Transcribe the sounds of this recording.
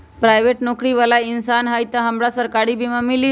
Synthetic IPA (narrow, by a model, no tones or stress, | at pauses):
pɾajʋeʈnokɾiʋəlainsanɦajt̪əɦəmbɭasəɾkaɽiːbʱimamili